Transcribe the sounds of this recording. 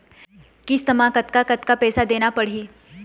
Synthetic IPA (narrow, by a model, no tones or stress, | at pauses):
kɪst̪ɐmãkɐt̪kakɐt̪kapɛːsad̪eːnapɐɽ̤iː